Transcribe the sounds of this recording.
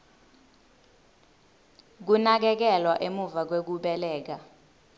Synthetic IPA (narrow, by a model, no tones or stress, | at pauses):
k̬unak̬ɛk̬ɛlwaʔemuvak̬wek̬uɓɛlɛːk̬a